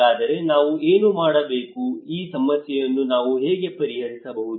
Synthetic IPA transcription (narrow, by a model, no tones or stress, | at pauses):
aːd̪ɐɾe̞naːʋueːnumaːɽɐbe̞ːkuiːsɐmɐsjɛjɐnːunaːʋuɦeːɡe̞pɐɾiɦɐɾisɐbɐɦud̪